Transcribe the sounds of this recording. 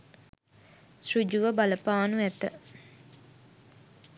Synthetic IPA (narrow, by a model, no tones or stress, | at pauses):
srud͡ʒuʋəbaləpaːnuæt̪ə̰